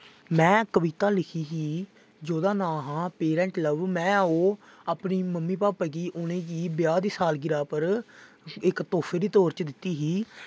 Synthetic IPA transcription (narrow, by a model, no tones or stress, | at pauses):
mɛ̃ːkəʋiːt̪aːlɪkʰiːɦiː | d͡ʒoːd̪aːnãːɦãːpeːɾɛ̃ːɳʈləʋmɛ̃ːoːaːpniːməmːiːpaːpaːk̬iːʔʊnẽːkiːbɪjaːd̪iːsaːlɡɪɾaːpəɾ | ɪkt̪oːpʰeːɾiːt̪oːɾt͡ʃd̪ɪt̪ːiːɦiː